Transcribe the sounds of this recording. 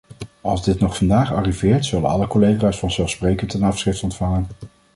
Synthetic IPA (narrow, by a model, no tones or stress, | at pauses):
ɑlˠzdɪtnɔχfɑndaːχɑ̰rivɪːɹtsɵlə̰nɑ̰ləkɔlejχaːsfɑnzɛlˠfsprejkəntɛnɑfsχrɪftɔntfɑŋən